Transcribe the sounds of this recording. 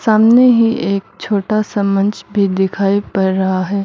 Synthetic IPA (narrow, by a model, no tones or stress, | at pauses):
saːmneɦiʔeːk̚t͡ʃʰoːʈasɐmə̃nd͡ʒbʱid̪ɪkʰaːipɐɾːɐɦaɦɛː